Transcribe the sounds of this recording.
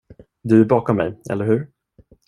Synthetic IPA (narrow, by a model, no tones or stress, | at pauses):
d̪ɵæɾbɑːkɔmːɛ̰jɛ̰lːəɾhʉ̟ːɾ